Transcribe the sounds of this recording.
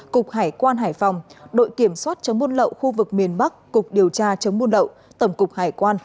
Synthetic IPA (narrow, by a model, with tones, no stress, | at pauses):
kʊ˨˩k͡p̚haː˧˩jkwaː˧nɦaː˧˩jfa˨˩wŋ͡mɗo̰˧˨jki˧˩əmswaː˦˥t̚t͡ɕə˨˦ŋ͡mmu˧ənlə̰˧˨wxu˧vɨ˨˩k̚mi˨˩ənɓa˦˥k̚ːʊ˨˩k͡p̚ɗi˨˩əwt͡ɕaː˧t͡ɕə˨˦wŋ͡mmu˧nlə̰˧˨w | t̪ə˧˩wŋ͡mkʊ˨˩k͡p̚haː˧˩jkwaː˧n